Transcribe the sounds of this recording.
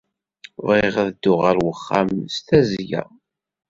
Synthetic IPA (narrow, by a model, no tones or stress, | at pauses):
ðʁeʁæðd̪ːʊʁæɾwəχːamst̪æzjæ̰